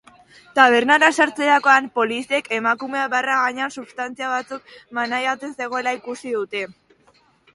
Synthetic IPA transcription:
t̪aβ̞e̞ɾnaɾasaɾt͡se̞ɾako̞ampo̞lisie̞ke̞makume̞aβaraɣaɲeansuβst̪ant͡siaβ̞at͡suk̚manajat͡se̞nse̞ɣ̞o̞elaikusiðut̪e̞

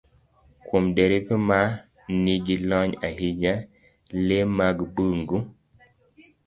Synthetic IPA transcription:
kʰomdeɾipema | niɡilɔɲaɦid͡ʒa | lemaɡbuŋɡu

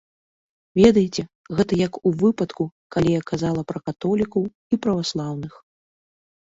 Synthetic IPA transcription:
vʲɛd̪ɐjɛt͡sʲɛ | ɣɛt̪ɐjɐkuvɨpɐt̪kukalʲijakazalˠɐpɾɐkat̪ɔlʲikɐw | ipɾɐvaslˠawn̪ɨx

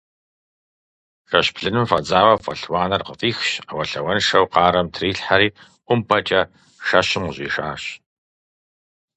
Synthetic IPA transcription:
ʃɐɕpʰɬɨnɨmfɐd͡zaːwɐfɐ̰ɬwaːnɐrqəfʼiːxɕawɐɬɐwɐnʂɐwqɑːɾɐmtʰriːɬħaɾiː | ʔʷʊmpʰɐt͡ʃʼɐ | ʂɐɕɪmʊʑʼḭːʂa̰ːɕ

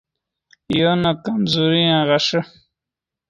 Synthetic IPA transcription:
jonakamzuɾiãʁaʂə

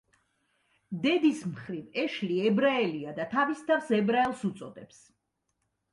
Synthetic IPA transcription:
d̪ɛd̪ismχɾivɛʃliɛbɾaɛliad̪at̪ʰavist̪ʰavsɛbɾaɛlˠsut̪sʼɔd̪ɛps

